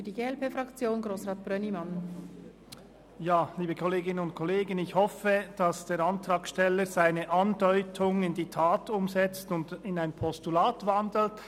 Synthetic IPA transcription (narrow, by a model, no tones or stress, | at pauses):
ydiɡeːɛlpeːfɾɑkt͡sjoːnɡɾoːsʁaːt̚b̥ɾœnimɑn | jaːliːbəkʰɔleːɡɪnənʊntkʰɔleːɡənɪçhɔfəd̥ɑsd̥eːɾɑntʁ̥ɑːkʃtɛləz̥aɪnəʔɑndɔʏtʰʊŋɪndiːtʰaːtʰʊmzɛt͡stʊndɪnaɪnpʰɔstulaːtv̥ɑndl̩t